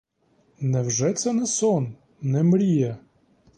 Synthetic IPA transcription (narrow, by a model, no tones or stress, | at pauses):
nɛwʒɛt̪sɛnɛsɔnː | nɛmɾʲijɐ